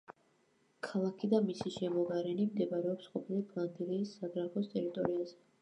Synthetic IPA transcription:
kʰalˠakʰid̪amisiʃɛmɔɡaɾɛnimd̪ɛbaɾɛɔpsqʼɔpʰilipʰlˠand̪iliːsːaɡɾaɡɔst̪ʼɛɾit̪ʼɔɾiazɛ

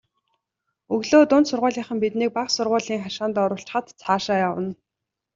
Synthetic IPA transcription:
ɵɣɮoːt̪ʊnt̪sʊrʁʊ̟ːɮiːɴχə̆mpit̪niːk̚paχsʊrʁʊːɮiːŋχaʃaːnt̪ɔɾʊːɬt͡ɕ̆χə̆t̪t͡sʰaːʃaːjawə̆n

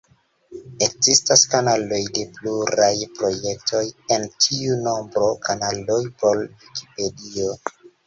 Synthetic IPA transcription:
e̞kzistaskanalo̞jde̞pluɾajpɾo̞je̞k̚tʰo̞je̞ntʰiuno̞mbɾo̞kanalo̞jpo̞lviki̥pe̞dio̞

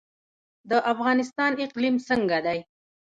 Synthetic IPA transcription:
d̪əʔafɣɑnɪs̬t̪ɑnɪqlimsəŋɡad̪aj

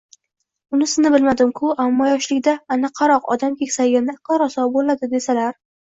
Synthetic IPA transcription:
ʊnɪsɪznɪbɪlmad̪ɪmkʰʊamːɒjɒʃlɪkʲd̪aːnaqʰːɑɾɒqɒ̰d̪amkʲe̞kʲsaɡʲand̪aqʰɑɾɒsɒbolad̪ɪd̪e̞salaɾ

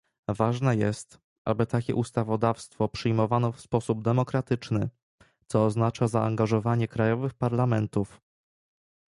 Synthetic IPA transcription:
vaʐnɛjɛst̪ | ʔa̰bɘt̪akʲɛ̰ʔust̪avɔd̪afst̪fɔpʂɘjmɔvanɔfspɔsub̚d̪ɛmɔkɾat̪ɘt͡ʂnɘ | t̪sɔːznat͡ʂazaaŋɡaʐɔvaɲɛkɾajɔvɘxpaɾlamɛnt̪uf

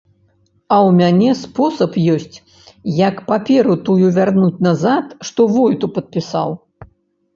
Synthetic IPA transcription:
ɐwmʲanʲɛspɔsɐpjɔsʲt͡sʲ | jɐkpapʲɛɾut̪ujuvʲarnut͡sʲnɐzat̪ʂt̪ɔvɔjt̪upɐt̪̚pʲisa̰w

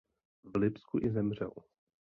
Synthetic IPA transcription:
vlɪpskuʔɪzɛmr̝ɛ̰l

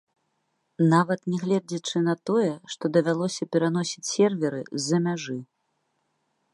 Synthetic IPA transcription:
navɐt̪nʲɛɣlʲɛd͡zʲit͡ʂɨnɐt̪ɔjɛʂt̪ɔd̪ɐvʲalˠɔsʲɐpʲɛɾan̪ɔsʲit͡sʲsʲɛrvʲɛɾɨ̰zːɐmʲaʐɨ

